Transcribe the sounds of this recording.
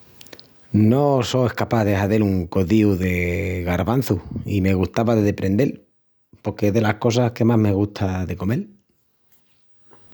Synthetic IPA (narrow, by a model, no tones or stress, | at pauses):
no̞so̞e̞hkapaðe̞haðeluŋko̞ðiuðe̞ɣaɾβan̟θuime̞ɣust̪aβaðeðe̞pɾʔẽ̞nd̪e̞l | po̞ɾkeeðe̞lahko̞s̬ahke̞mazme̞ɣ̞uht̪ʰaðe̞ko̞me̞l